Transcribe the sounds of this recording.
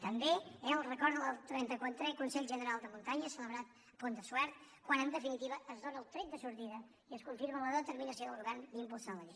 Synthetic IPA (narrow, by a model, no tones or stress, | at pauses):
t̪əmbeɛəlˠrəkɔɾðələt̪ɾɛnt̪əkwat̪ɾɛkunsɛʎʲʒənəɾalˠd̪əmunt̪aɲəsələβɾat̪̚ | pond̪əswɛɾt̪kwanənd̪əfinit̪iβəʔːzðonəːlˠt̪ɾɛt̪̚d̪əsuɾt̪iðə | iəskuɱfiɾmələðət̪əɾminəsioðəluɾɣand̪impulˠsaləli